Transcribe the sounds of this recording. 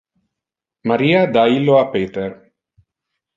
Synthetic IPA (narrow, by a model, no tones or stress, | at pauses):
maɾiad̪ailoapet̪eɾ